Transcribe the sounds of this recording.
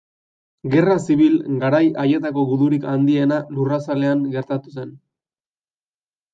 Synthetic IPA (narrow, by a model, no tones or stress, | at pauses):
ɡe̞rasiβilɡaɾajaje̞t̪ako̞ɣuðuɾikand̪ie̞nalurasale̞aŋɡe̞ɾt̪at̪u̥se̞n